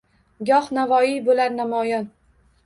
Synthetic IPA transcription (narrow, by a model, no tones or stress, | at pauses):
ɡʲɒhnavɒibolaɾnamɒjɒn